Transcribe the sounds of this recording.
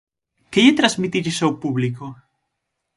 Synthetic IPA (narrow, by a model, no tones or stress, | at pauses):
keʎet̪ɾazmit̪iʎesawpuβliko